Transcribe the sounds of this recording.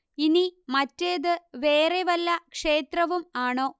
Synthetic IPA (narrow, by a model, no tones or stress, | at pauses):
inimɐtːeːðɨʋe̞ːreʋɐlːɐkʂe̞ːt̪rɐʋumaːɳo̞ː